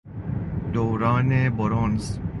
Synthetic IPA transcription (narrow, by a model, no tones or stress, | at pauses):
d̪owɾɑːneboɾonz